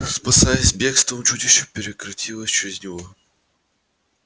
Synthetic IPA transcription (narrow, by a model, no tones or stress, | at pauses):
spɐsajəsʲbʲe̞kst̪əmʊt͡ɕutʲɪɕːʊpʲɪɾʲɪkɾɐtʲilˠəsʲt͡ɕɪɾʲɪzʲnʲɪvo